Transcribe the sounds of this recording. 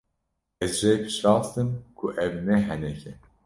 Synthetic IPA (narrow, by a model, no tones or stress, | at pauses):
ɛzʒɛjpʰɨ̥ʃɾɑːst̪ɨmkʰuʔɛvnɛɦɛnɛkʰɛ